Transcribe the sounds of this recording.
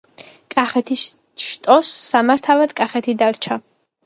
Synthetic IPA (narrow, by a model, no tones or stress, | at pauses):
kʼaχɛt̪ʰis | ʃt̪ʼɔsːamaɾt̪ʰavad̪̥kʼaχɛt̪ʰid̪aɾt͡ʃʰa